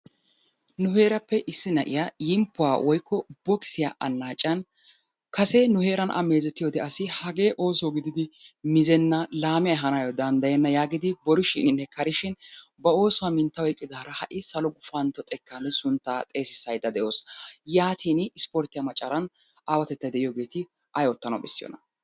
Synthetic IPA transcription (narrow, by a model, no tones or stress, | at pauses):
nʊheːɾɐpːɛʔɪsːɪnɐʔɪ̰jajɪmpːʊwaːwʔɔjkːɔbɔkɪ̥sɪjaːʔɐnːaːt͡ʃʼːɐn | kɐseːnʊhe̞ːɾɐnʔɐ̰me̞ːzɛt̪ːɪjɔd̪ɛʔɐsɪhɐɡe̞ːʔo̞ːsoɡɪd̪ɪd̪ɪmɪzɛnːɐlaːmɪjɐɛɦɐnajɔd̪ɐnd̪ɐjɛnːɐjaːɡɪd̪ɪbɔɾʊʃɪ̰nɪnɛkɐɾɪʃɪnbɐo̞ːsʊwaːmɪnt̪ːɐwɔjkʼːɪd̪aːɾɐhɐʔɪsɐlɔɡʊfɐnt̪ɔt̪ʼɛkːaːnːɛsʊnt̪ːaːt̪ʼe̞ːsɪsːɐjd̪ɐd̪ɛʔo̞ːsjaːt̪ʰiːnɪspoɾt̪ɪjɐmɐt͡ʃʼːɐɾɐn | aːwɐt̪ɛt̪ːɐd̪ɛʔɪjoːɡe̞ːt̪ɪ | ʔɐjɔt̪ːɐnɐ̰bɛsːɪjɔ̰nɐ